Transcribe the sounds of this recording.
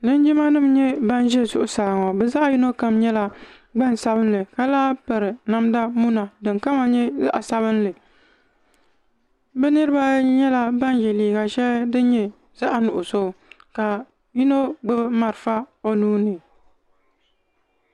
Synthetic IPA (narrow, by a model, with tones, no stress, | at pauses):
nɨ˦n˦d͡ʒɪ˦ma˦nɨ˦mɲɛ˦ba˦nʒɛ˦˨zʊ˦ʔʊ˦sa˨ŋo˨bɛ˨za˦ʔji˦no˦ka˨mɲɛ˦la˦ | ɡ͡ba˦n˨sa˦bɨ˦nlɨ˨ka˨laː˦pɨ˨ɾɨ˨na˦mda˦mu˦na˨dɨ˨ŋka˦ma˨ɲɛ˦za̰˦ʔa˨sa˦βɨ˦nlɨ˨ | bɨ˦nɨ˦ɾɨ˦ba˦ɲɛ˦la˦ba˦nʒɛ˨liː˨ɡa˨ʃɛ˦ldɨ˦ɲɛ˨ | za˦ʔa˨nʊ˨ʔʊ˨so˦˨ka˨ | ji˦no˦ɡ͡bɨ˦bma˨ɾfa˦o˦nuː˦nɨ˨